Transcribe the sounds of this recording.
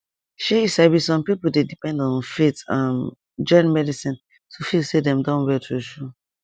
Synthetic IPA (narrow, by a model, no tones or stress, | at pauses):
ʃeisɛbisɔ̃mpipol̩dedipɛ̃ndɔ̃nfetãm | d͡ʒɔ̃nmɛdisĩn | tʰufilsedɛ̃mdãnwɛtʰuʃu